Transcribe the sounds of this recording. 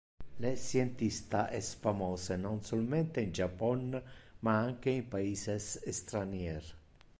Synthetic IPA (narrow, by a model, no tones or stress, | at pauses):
lesjent̪ist̪aʔɛsfamɔːsenɔnsɔlment̪eind͡ʒapːɔnmaaŋk̟eimpaiːsesest̪ɾanjɛɾ